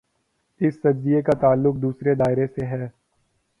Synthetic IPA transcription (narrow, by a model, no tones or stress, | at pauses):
ɪsːɐd͡ʒd̪ijekat̪aːlːʊk̚d̪uːsɾed̪aːɪɾeseɦɛː